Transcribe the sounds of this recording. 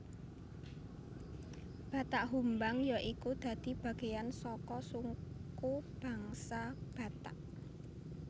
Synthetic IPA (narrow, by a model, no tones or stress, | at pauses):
b̥a̤t̪aʔɦumbaŋjaʔikud̪̥ä̤d̪̥i̤b̥ä̤ɡ̥e̤jansɔkɔsuŋkub̥ä̤ŋsab̥a̤t̪aʔ